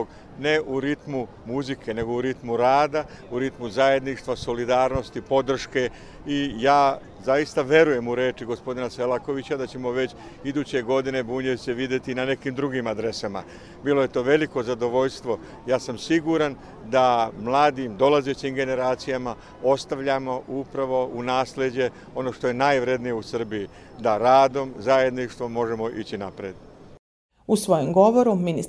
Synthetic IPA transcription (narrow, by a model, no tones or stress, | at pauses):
o | ne̞ʔuɾit̪mu | muzikʰe̞ne̞ɡo̞uɾit̪muɾaːd̪a | uɾit̪muzaje̞d̪niʂt̪ʋaso̞lid̪aːɾno̞st̪ipo̞d̪r̩ʃke̞ | ijaː | zajist̪aʋje̞ɾuje̞muɾe̞ːt͡ʃiɡo̞spo̞d̪inase̞lako̞ʋit͡ɕad̪at͡ɕe̞mo̞ʋe̞t͡ɕ | id̪uːt͡ɕe̞ɡo̞d̪ine̞buːɲeʋiseʋid̪je̞t̪inane̞kiːmd̪ɾuɡimad̪ɾe̞sama̰ | biːlo̞je̞t̪o̞ːʋe̞liko̞zad̪o̞ʋo̞ʎst̪ʋo̞ | jaːsamsiɡuɾan | d̪amlˠaːd̪imd̪o̞laze̞t͡ɕimɡe̞ne̞ɾaːt̪sijama | o̞st̪aʋʎamoʔupɾaʋo̞unaːsle̞d͡ʑe̞ | o̞no̞ʃt̪o̞je̞najʋɾe̞d̪nije̞usr̩bijid̪aɾaːd̪o̞mzaje̞d̪niʂt̪ʋo̞mːo̞ʒe̞mo̞ʔit͡ɕinapɾeːd̪ | usʋo̞jomɡo̞ʋoɾuminis